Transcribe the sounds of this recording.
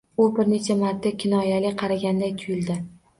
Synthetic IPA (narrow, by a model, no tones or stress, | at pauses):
ubɪɾne̞t͡ʃʰamat̪̚ːakʲʰɪnɒjalɪqʰɑɾaɡʲand̪ajt̪ʰʊjɪld̪ɪ